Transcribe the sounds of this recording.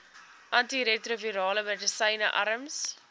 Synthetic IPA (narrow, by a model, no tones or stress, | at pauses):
ʔɐntiɾetroviɾɑːləmɛdəsɐjnəʔɐɾəms